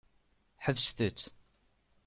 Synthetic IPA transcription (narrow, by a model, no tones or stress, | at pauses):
ħəvsθət͡sː